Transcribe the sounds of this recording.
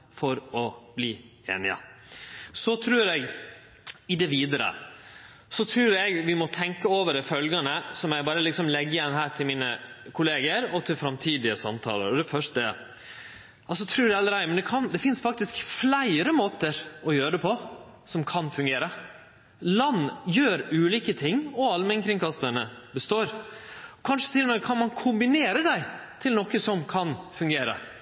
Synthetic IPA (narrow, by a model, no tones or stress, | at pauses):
fɔɾɔbliːḛːnɪə̰ | sɔt̪ʰɾʉːɾɛɡ | ɪd̪ɛʋiːd̪əɾə̰ | sɔt̪ʰɾʉːɾɛɡʋɪmɔt̪ʰɛŋkəoːʋəɾɛfœlɡɑnəsɔmæɪbɑːɾəlɪksɔmlɛɡːəjɛnːɦæːʈʰɪlmiːnəkʰʊleːɡəɾɔt̪ʰɪlfɾɑmt̪ʰiːd̪ɪəsɑmt̪ʰɑ̰ːlə̰ɾɔd̪ɛfœʂʈəɛ | ʔɑlsɔt̪ʰɾʉːɾɑlːəɾæɪmɛnd̪ɛkʰɑnd̪ɛfɪnsfɑk̚t̪ɪskflæɪɾəmoːt̪əɾɔjøːɾəd̪ɛpʰɔsɔmkʰɑnfʉŋɡeːɾə | lɑnːjøːɾʉːliːkət̪ʰɪŋːɔɑlmɛnkʰɾɪŋkɑst̪əɳəbəst̪oːɾɔkʰɑnʂə̥t̪ʰɪlɔmɛkʰɑnmɑnkʰʊmbɪneːɾəd̪æɪt̪ʰɪlnɔkːəsɔmkʰɑnfʉŋɡeːɾə̰